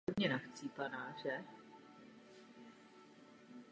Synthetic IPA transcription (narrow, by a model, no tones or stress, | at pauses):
obɲɛnaxt͡siːpanaːr̝ɛ